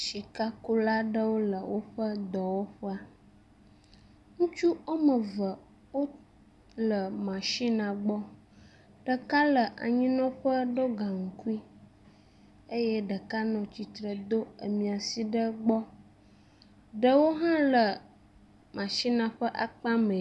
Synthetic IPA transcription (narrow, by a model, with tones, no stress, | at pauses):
ʃi˨ka˦ku˦la˦ɖə˦wo˦lə˨wo˦ɸə˦d̪ɔ˨wo˦ɸə˦a˦ | ŋũ˦t͡ʃu˦o˦mə˨və˨ | wo˦ | lə˨mã˨ʃi˦nã˨ɡ͡bɔ˦ | ɖ̥ə˨ka˦lə˨ʔa̰˨ɲĩ˦nɔ̃˦ɸə˦ɖo˦ɡa˨ŋ̩˨ku˦i˦ | e˦jɛ˦ɖə˨ka˦nɔ̃˨t͡ɕi˨t̪ɾə˨d̪o˦ə˨mĩ˨a˨si˦ɖə˦ɡ͡bɔ˦ | ɖə˦wo˦ɦã˦lə˨ | mã˨ʃi˦nã˨ɸə˦ʔa˨k͡pã˦mə̃˨